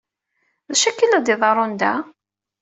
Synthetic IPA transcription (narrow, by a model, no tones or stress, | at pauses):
ðæʃækːilæd̪iðˤɑɾˤond̪æ